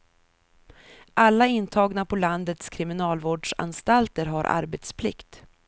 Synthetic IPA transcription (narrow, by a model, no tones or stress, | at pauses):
ʔalːaɪnt̪ʰɑːɡnapʰɔland̪ət̪skʰɾɪmɪnɑːlvoːɖʂa̰nst̪alt̪əɾɦaɾʔa̰ɾbɛt̪spʰlɪ̰kt̪